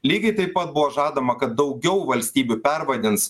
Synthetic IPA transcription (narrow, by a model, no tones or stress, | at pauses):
lʲiːɡʲɐɪt̪ɐɪpɐt̪̚bʊʋoːʒɑːd̪ɐmɐkɐt̪̚d̪ɒʊɡʲɛʊʋɐlʲsʲt̪ʲiːbʲʊpʲɛɾʋɐd̪ʲɪns